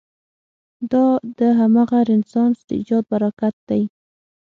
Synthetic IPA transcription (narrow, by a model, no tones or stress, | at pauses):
d̪ɑd̪əɦamɑɣaɾɪnsɑnsd̪̥əid͡ʒɑd̪̚baɾakat̪̚d̪̥aj